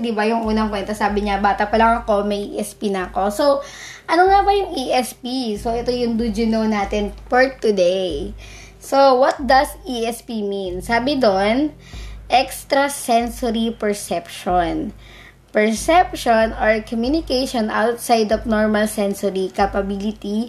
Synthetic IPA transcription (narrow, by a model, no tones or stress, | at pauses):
d̪ɪbɐjʊŋʔuːnɐŋpwɛnt̪ɐsaːbɪɲabaːt̪ɐpɐlɐŋɐko̞mɐjʔḭʔɛspinɐːko̞so | ʔɐnoŋabɐjʊŋʔiʔɛspisoʔɛt̪ojʊŋd̪ud͡ʒʊnownaːt̪ɪnpoɹt̪ːʊd̪ej | sowɐt̪̚d̪ɐsʔiʔɛspiminsaːbɪd̪on | ʔɛkst̪ɾɐsɛnsɔɾipɛɹsɛpʃon | pɛɹsɛp̚ʃonoɹkɔmjunɪkejʃonʔawt̪sajd̪ɔfnoɹmɐlsɛnsɔɾikɐpɐbilɪt̪i